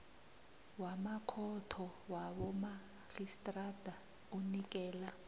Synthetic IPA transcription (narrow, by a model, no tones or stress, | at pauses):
wamakʰɔtʰɔwaɓɔma | ɬistʼrad̥ʱa | unik̬ʼɛːla